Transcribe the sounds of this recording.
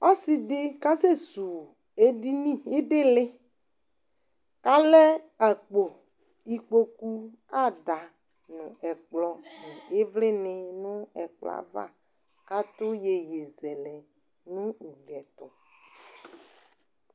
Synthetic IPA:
ɔ˦sɪ˨dɪ˦ka˦se˦zu˨ | e˦di˦nĩ˦˨ɪ˦dɪ˦lɪ˦ | ka˦lɛ˦ | a˨k͡po˨ | i˨k͡po˦ku˦ | a˦˨da˨ | nʊ̃˨ɛ˨k͡plɔ˨nɪ̃˨ɪ˦vlɪ˦nɪ˨nʊ̃˦ɛ˨k͡plɔ̰˦˨a̰˨va̰˦ | ka˦t̪ʊ˦je˨je˨zɛ˨lɛ˨ | nʊ̃˦u˨ɡɛ˨t̪ɔ˨

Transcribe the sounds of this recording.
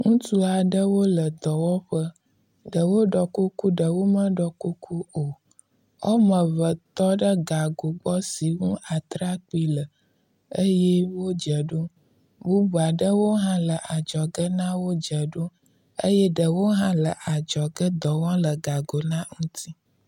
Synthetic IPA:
ŋũ˦t̪u˦a˨ɖə˦wo˦lə˨d̪ɔ˨wɔ̃˦ɸə˦ | ɖə˨wo˦ɖɔ˨ku˦ku˦ɖə˨wo˦mə̃˦ɖɔ˨ku˦kʰu˦o˨ | ɔ̰˦mə˨βə˨t̪ɔ˦ɖə˦ɡa˨ɡo˨ɡ͡bɔ˦si˨ŋũ˦a˨t̪ɾa˦k͡pi˦lə˨ | ə˦jɛ˦wo˦d͡ʒə˨ɖo˦ | bu˦bu˨a˨ɖə˦wo˦ɦã˦lə˨ʔa˨d͡ʒɔ˨ɡə˦nã˦wo˦d͡ʒə˨ɖo˦ | ə̰˦jɛ˦ɖə˨wo˦ɦã˦lə˨ʔa˨d͡ʒɔ˨ɡə˦d̪ɔ˨wɔ̃˦lə˨ɡa˨ɡo˨nã˦ŋũ˦t̪ʰi˦

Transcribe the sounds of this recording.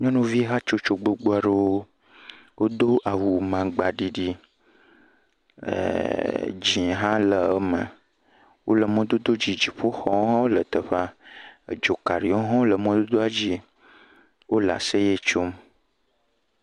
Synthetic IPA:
ɲɔ̃˦nũ˦vi˦ɦa˦t͡ʃo˦t͡ʃo˨ɡ͡bo˦ɡ͡bo˦a˨ɖe˦wo˦ | wo˦d̪o˦ʔa˨wu˨mã˨ɡ͡ba˨ɖi˨ɖi˦˨ | d͡ʒĩ˨ɦã˦lə˨˦mə̰̃˨ | wʔo̰˦lə˨mɔ̃˦d̪o˦d̪o˦d͡ʑi˨d͡ʒi˨ɸo˦xɔ̃˦wo˦lə˨t̪ə˨ɸa̰˦˨ | d͡ʒo˨ka˨ɖi˨ɔ˦ɦɔ̃˦wo˦lə˨mɔ̃˦d̪o˦d̪o˦a˦d͡ʑi˦ | wo˦la̰˨se˦je˦t͡ʃo˦m

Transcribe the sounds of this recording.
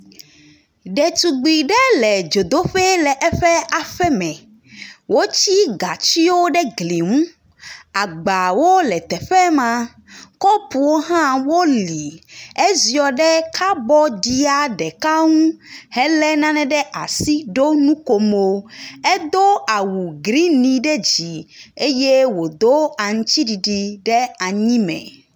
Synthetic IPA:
ɖɛ˨t̪u˨ɡ͡bi˨ɖɛ˦lɛ˨d͡ʒo˨d̪o˦ɸɛ˦lɛ˨ʔɛ˦ɸɛ˦a˨ɸɛ˦mɛ̃˨ | wo˦t͡ɕi˦ɡa˨t͡ʃi˦wo˦ɖɛ˦ɡli˨ŋũ˦ | a˨ɡ͡ba˨wo˦lɛ˨t̪ɛ˨ɸɛ˦mã˦ | kɔ˦pu˨wo˦ɦã˦wo˦li˨e˦zi˨ɔ˨ɖɛ˦kʰa˦bɔ˦ɖi˦a˦ɖɛ˨ka˦ŋũ˦hɛ˦lɛ˦nã˦nɛ̃˦ɖɛ˦ʔa̰˨si˦ɖo˦nũ˦ko˨mo˦ɛ˦d̪o˦a˨wu˨ɡɾi˦nĩ˨ɖɛ˦d͡ʑi˨e˦je˦wo˨d̪o˦a˨ŋũ˦t͡ɕi˦ɖi˨ɖi˨ɖɛ˦a˨ɲĩ˦mɛ̰̃˨

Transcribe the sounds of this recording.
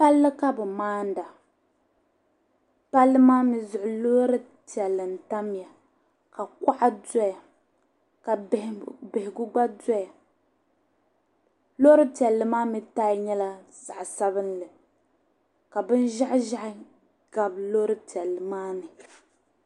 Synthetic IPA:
pa˦lːɨ˦ka˦bɨ˨maː˦n˦da˨ | pa˦lːɨ˦maː˦mi˦zʊ˨ʔʊ˨lo˦ɾɨ˦ | ti˨ɛ˨lːɨ˨n̩˨ta˦m˦ja˨ | ka˨ka˦ʔa˦dɔ˦ja˨ | ka˨bɪ˨hɪ˨ɡʊ˦ɡ͡ba˦dɔ˦ja˨ | lo˦ɾɨ˦ti˨ɛ˨lːɨ˨maː˦mi˦taː˦ɲɛ˦la˦ | za˨ʔsa˦βɨ˦nlɨ˨ | ka˨bɨ˦n˦ʒa˦ʔʒa˦ʔ | ɡ̥a˨blo˦ɾɨ˦ti˨ɛ˨lːɨ˨maː˦nɨ˨

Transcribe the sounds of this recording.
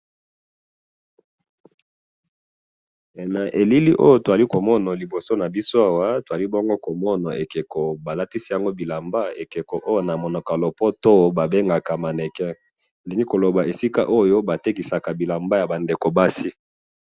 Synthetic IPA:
e˨na˨ʔe˨li˦li˦ʔo̰˦jo˦to˨za˨li˦ko˨mɔ˦na˨li˨bo˨so˦na˨bi˦so˦a˨wa˦to˨a˨li˦bo˦ŋɡo˦ko˨mɔ˦na˨e˨ke˨ko˨ba˨la˦ti˦si˦ja˨ŋɡo˦bi˨la˨mba˦e˨ke˨ko˨ʔo˦jo˦na˨mo˨nɔ˨ka˨lo˨pɔ˦to˦ba˨be˦ŋɡa˨ka˨ma˨ne˨kɛ˦˨ | li˨ŋɡi˦ko˨lo˨ba˨e˨si˦ka̰˦ʔo˦jo˦ba˨te˦ki˨sa˨ka˨bi˨la˨mba˦ja˨ba˨nde˨ko˨ba˦si˦

